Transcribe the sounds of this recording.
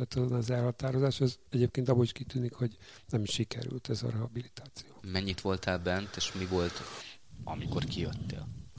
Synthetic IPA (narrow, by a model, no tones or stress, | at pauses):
ɛt̪ɒzonɒzɛlhɒt̪aːɾo̞zaːʃɛzɛɟeːp̚keːnt̪ɒbːoiʃkit̪yːnikho̞ɟnɛmʃikɛ̰ɾy̰lt̪ɛzɒ̰ɾɛɦɒbilit̪aːt̪sijoːmɛɲːit̪ʋo̞lt̪aːlbɛnt̪eːʃmivo̞lt̪ | ɒmiko̞rkijøt̪ːḛːl